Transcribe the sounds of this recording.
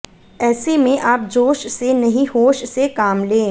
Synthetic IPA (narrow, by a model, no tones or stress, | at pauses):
ɛːsemẽʔaːp̚d͡ʒoːʃsenɐɦĩhoːʃsekaːmlẽː